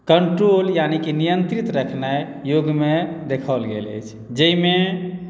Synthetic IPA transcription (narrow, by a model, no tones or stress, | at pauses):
kəɳʈɾoljanikinijənt̪ɾit̪ɾəkʰna | joɡmed̪ekʰəlɡḛlə̰jt͡ʃʰ | d͡ʒəime